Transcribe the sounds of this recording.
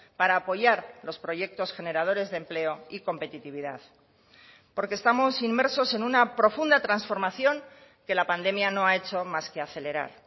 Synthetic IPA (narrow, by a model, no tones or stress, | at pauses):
paɾaːpo̞ʝaɾlo̞spɾo̞ʝe̞k̚t̪o̞sxe̞ne̞ɾað̞o̞ɾe̞zðe̞mple̞o̞iko̞mpe̞t̪it̪iβ̞iðað | po̞ɾkest̪amo̞simme̞ɾso̞se̞nunapɾo̞fund̪at̪ɾansfo̞ɾmaθjo̞ŋ | ke̞lapand̪e̞mjano̞ae̞t͡ʃo̞maske̞aθe̞le̞ɾa̰ɾ